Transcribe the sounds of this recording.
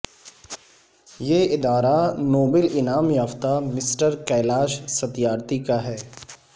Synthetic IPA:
jeːɪd̪aːɾanoːbəlɪnaːmjaːft̪amɪsʈəɾkɛːlaːʃsɐt̪ijaːɾt̪ikaɦɛː

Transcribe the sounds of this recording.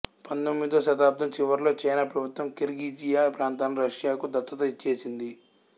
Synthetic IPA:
pɐnt̪omːid̪oːʃɐd̪aːp̚d̪ʰɐmt͡ʃiʋɐɾlo̞ːt͡ʃɐjnaːpɾɐbʱut̪ʋɐmkeɾɡiːd͡ʒijaːpɾaːnt̪aːnɐɾɐʂjaːkud̪ɐt̪ːɐt̪ɐit͡ʃːe̞ːsind̪i

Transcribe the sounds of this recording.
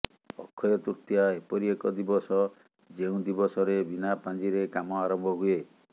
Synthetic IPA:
ɔ̰kʰːɔjɔt̪uɾt̪jaepɔɾiekɔd̪ibɔsɔ | d͡ʒeũd̪ibɔsɔɾebinapand͡ʒiɾekamɔaɾɔmbʱɔɦue

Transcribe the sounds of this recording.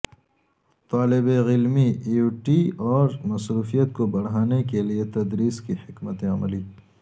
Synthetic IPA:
t̪aːlɪbeɣɪlmiuʈiɔːɾmɐsɾuːfijət̪̚kobɐɽ̤aːnekeliet̪ɐd̪ɾiːskihɪkmət̪ẽɐmliː

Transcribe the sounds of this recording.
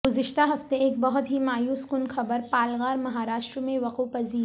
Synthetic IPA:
ɡʊzɪʃt̪aɦɐft̪eeːk̚bɐɦʊt̪ɦimaːjuːskʊnxʰɐbəɾpaːlɣaːɾmɐɦaːɾaːʃʈɾəmẽʋɐqupɐziːɾ

